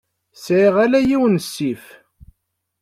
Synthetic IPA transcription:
sʕiʁælæjiwnsːif

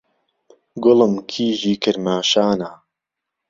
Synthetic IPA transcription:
ɡoləmkʰiːʒiːkʰəɾmaːʃaːnaː

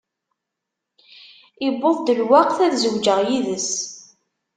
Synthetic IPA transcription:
ɪboðˤd̪əlwaqθæðzəwd͡ʒəʁjiðəs

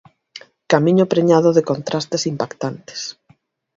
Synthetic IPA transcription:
kamĩɲʊpɾeɲaðoðɪkont̪ɾʔast̪esimpakt̪ant̪e̥s

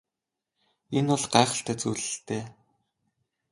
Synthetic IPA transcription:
enʊɮɢæːχə̆ɬt̪æːt͡suːɮɘ̆ɬt̪eː

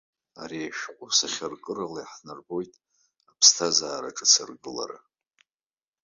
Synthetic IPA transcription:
aɾiaʃqʷʼʊsaχʲarkʼɨralajħnɨrbo̞jtʼ | apʰstʰazaːɾaʈ͡ʂʼɨt͡sʰɨrɡɨla̰ɾa̰

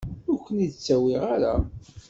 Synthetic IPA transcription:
ʊɾkʷːənid̪t͡sːæwiʁaɾa̰

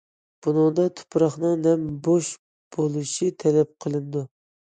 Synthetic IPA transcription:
b̥unɨŋd̪ɑt̪ʰʊ̥pʰɾɑχnɨŋnɛmboʃ | b̥olˠuʃit̪ʰɛlɛp̚qʰəlˠɨnd̪u

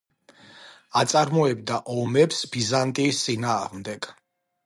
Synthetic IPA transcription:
at̪sʼaɾmɔɛb̚d̪aʔɔmɛpsbizant̪ʼiːst̪sʼinaːʁmd̪ɛɡ̥

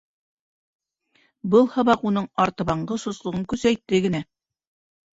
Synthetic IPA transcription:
bɤlˠhɤ̆βɑqunɤɴɑɾt̪ɤ̆βɑɴɢɤsŏslˠɤ̆ʁɤŋkʉzæjt̪ːɘɡɘ̆næ

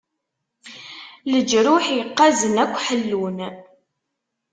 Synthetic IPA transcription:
ləd͡ʒɾʊħjəqːæzənækʷːħəlːun

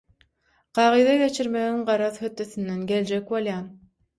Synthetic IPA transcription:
qʰɑːʁɯjðɑɡʲe̞t͡ʃʰiɾmeɣiŋɢɑɾɑðhøt̪ːøθynd̪enɡʲeld͡ʒekwolˠjɑːn

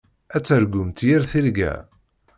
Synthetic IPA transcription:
æt͡sːəɾɡʊmt̪jɪɾθiɾɡæ̰

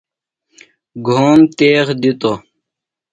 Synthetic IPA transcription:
ɡʱoːmt̪eːxd̪it̪o

